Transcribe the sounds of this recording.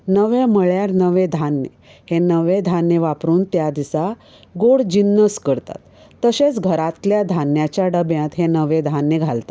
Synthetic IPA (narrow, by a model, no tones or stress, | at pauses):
nəʋeməɭjaɾnəʋed̪ʱanːə̰ | henəʋed̪ʱanjeʋapɾuːnt̪jad̪isa | ɡoɽd͡ʑinːəskəɾt̪a̰t̪ːəɕet͡sɡʱəɾat̪ljad̪ʱanjat͡ɕjaɖəbjãt̪ɦenəʋed̪ʱanjeɡʱalt̪a